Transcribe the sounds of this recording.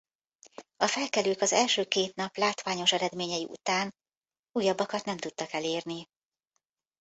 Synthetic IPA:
ɒfɛlkɛløːkɒzɛlʃøːkeːt̪nɒplaːt̪ʋaːɲo̞ʃɛɾɛd̪meːɲɛjiʔṵt̪aːn | uːjɒbːɒkɒt̪nɛmt̪ut̪ːɒkɛleːrni

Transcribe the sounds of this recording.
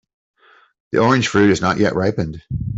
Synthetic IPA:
ðḭʔɔɹɨ̃nʒ̥fɹʉɾɨznəʔjʔɛʔɹaɪpɨ̃nd̥

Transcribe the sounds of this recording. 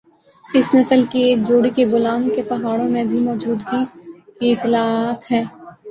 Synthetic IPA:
ɪsnɐsəlkeːd͡ʒoːɽikebʊlaːnkepɐɦaːɽõmẽbʱimɔːd͡ʒuːd̪ɡikiɪt̪ɪlaːt̪ɦɛ̃ː

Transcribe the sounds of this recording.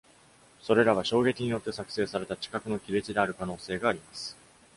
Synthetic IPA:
so̞ɾe̞ɾaβ̞aɕo̞ːɡe̞kʲiɲ̟ijo̞t̪ːe̞sakɯ̟̥se̞ːsaɾe̞t̪at͡ɕi̥kakɯ̟no̞kʲiɾe̞t͡ɕid̪e̞aɾɯ̟kano̞ːse̞ːɡaːɾʲimasɨ̥

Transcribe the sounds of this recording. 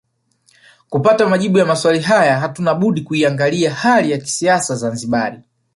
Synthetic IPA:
kupatamaʄiɓujamaswaliɦajaɦatunaɓuɗikuiaŋɡaliahalijaki̥siasazanziɓaɾi

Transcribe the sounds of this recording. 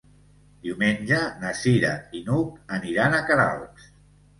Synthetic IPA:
d̪iwmenʲʒənəsiɾainukəniɾanəkaɾa̰lˠks

